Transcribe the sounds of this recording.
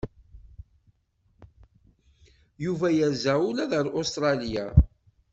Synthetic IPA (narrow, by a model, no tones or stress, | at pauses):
juvæjæzæulæðəɾost̪ɾˤɑlija̰